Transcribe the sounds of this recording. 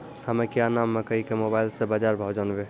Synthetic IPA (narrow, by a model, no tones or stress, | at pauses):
həmekjanamːekəikemobaːɪlsebad͡ʒaɾbʱad͡ʒanbe